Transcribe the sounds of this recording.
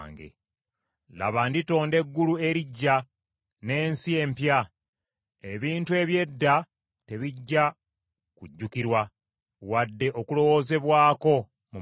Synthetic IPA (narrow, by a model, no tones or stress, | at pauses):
ŋɡḛ | la̰βandito̞ːnde̞ɡːulue̞ɾiɟːa | ne̞ːnsie̞ːmpja | eβiːntue̞βje̞dːa | te̞βiɟːa | kuɟːukiɾwa | wadːe̞ʔo̞kulo̞wo̞ze̞βwaːko̞ | mu